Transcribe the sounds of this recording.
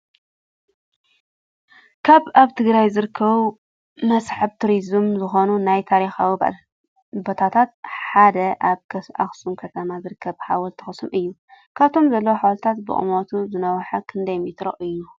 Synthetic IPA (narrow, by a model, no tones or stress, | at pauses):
kʰaβaβt̪ʰɨɡɾajzɨɾɨkʰːɐβu | mɐsħɨβt̪ʰuɾizmzɨxo̞nunajt̪ʰaɾixawi | bot̪ʰat̪ʰat̪̚ħad̪ɐʔaβka̰xsumkʰɐt̪ʰɐmazɨɾɨkʰːɐβħawɐlt̪ʰɨ̥xɨsumʔɨjːukʰaβt̪ʰo̞mzɐlːɐwoħawɐlt̪ʰat̪bɨ̰ʔʼɨ̰mo̞t̪ʰuzɨnɐwħɐkʰɨnd̪ɐjmit̪ɾɐʔɨjːu